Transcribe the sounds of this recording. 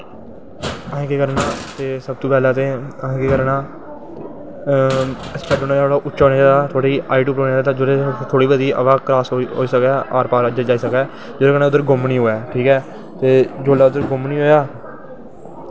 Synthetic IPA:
ə̃ːkeːkəɾnãːt̪eːsəb̚t̪õːpɛːlaːt̪eːəɦːkeːkəɾnaː | spʰɛːɖoːnaːoːɽaːʔʊt͡ʃːʃaːɦoːneːd͡ʒaːd̪aːt̪ʰoːɽaiːʔaːiʈ̬uːpɾoːeːd͡ʒaːd̪aːd͡ʒoɾet̪ʰoːɽiːbəd̪iːʔə̰ʋaːkɾaːsoɦo̰ːiːsəkɛːʔaːɾpaːɾad͡ʒaːd͡ʒaːiːsəkɛː | d͡ʒoːɾeːkənẽːʊd̪əɾɡʊmniːɦoːjaːʈʰiːkɛː | t̪eːd͡ʒoːlaːʊd̪əɾɡʊmniːɦoːjaː

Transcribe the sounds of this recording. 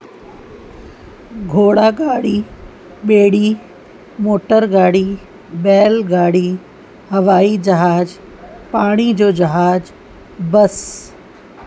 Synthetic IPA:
ɡʱoːɽaːɡaːɽi | ɓeːɽi | moːʈəɾɡaːɽi | bɛːlɡaːɽi | hɐʋaːid͡ʑɐɦaːd͡ʑ | paːɽ̃id͡ʑoːd͡ʑɐɦaːd͡ʑ | bɐs

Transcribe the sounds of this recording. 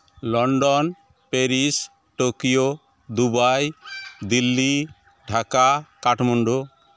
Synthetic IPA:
lɔɳɖɔn | peɾis | ʈokijo | d̪ubajd̪ilːi | ɖʱakakaʈmuɳɖo

